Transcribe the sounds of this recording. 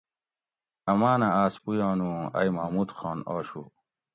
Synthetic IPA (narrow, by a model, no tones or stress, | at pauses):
ɐmaːnaaːspujãːnuɐ̰jmɐːmuːd̪xaːnaːɕṵː